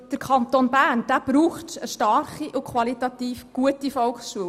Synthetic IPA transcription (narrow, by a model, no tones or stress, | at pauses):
d̥əɾkʰɑnt̪onbæːnd̥æːb̥ɾuːχtəʃtɑrχiʔukχwɑlit̪ɑt̪iːfɡ̥uətifɔlkχsʃuəw